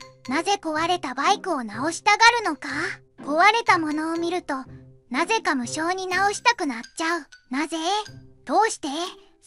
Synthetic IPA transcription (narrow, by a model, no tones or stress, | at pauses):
naze̞ko̞βaɾe̞t̪abaikɯ̟o̞nao̞ɕi̥t̪aɡaɾɯ̟no̞ka | ko̞βaɾe̞t̪amo̞no̞ːmʲiɾɯ̟t̪o̞naze̞kamɯ̟ɕo̞ːɲ̟inao̞ɕi̥t̪akɯ̟natt͡ɕːaɯ̟naze̞d̪̥o̞ːɕi̥t̪e̞